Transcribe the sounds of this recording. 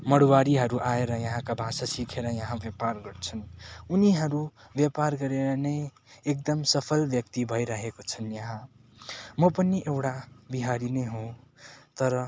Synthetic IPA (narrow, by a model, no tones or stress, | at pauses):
mʌɽwaɾiɦʌɾuʔaeɾʌjʌɦãkabʱasasikʰeɾʌjʌɦãbjʌparɡʌɾt͡sʰʌnuniɦʌɾu | bjʌparɡʌɾeɾʌnʌj | ek̚d̪ʌmsʌpʰʌlbjʌk̚t̪ibʱʌjɾaɦekot͡sʰʌnjʌɦã | mʌpʌniʔewʈabiɦaɾinʌjɦõt̪ʌɾʌ